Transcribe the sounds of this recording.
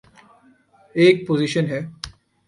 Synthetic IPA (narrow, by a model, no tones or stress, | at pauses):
eːk̚poziʃənɦɛː